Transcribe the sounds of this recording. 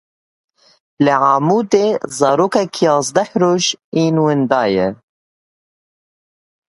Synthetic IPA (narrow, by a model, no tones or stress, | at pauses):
lɪʕaːmuːd̪eːzɑːɾoːkakʰjɑːzd̪aħɾoːʒiːnwɪnd̪ɑːjɛ